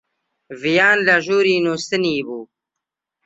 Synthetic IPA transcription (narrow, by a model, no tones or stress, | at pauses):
vijaːnlaʒuːɾiːnust̪iniːbuː